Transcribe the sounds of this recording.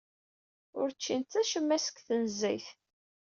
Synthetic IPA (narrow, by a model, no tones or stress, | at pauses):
ʊɾt͡ʃːint̪θæʃəmːæsə̥kθənzæjθ